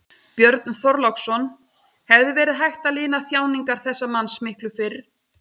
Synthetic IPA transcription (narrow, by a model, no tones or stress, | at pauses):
pjœɾt̪nθɔɾlɔksɔn | hɛvðɪvɛːɾɪðɦajxt̪alɪːnaθjaːwniŋkaɾ̥θɛsːamanːsmɪhklʏfɪɾ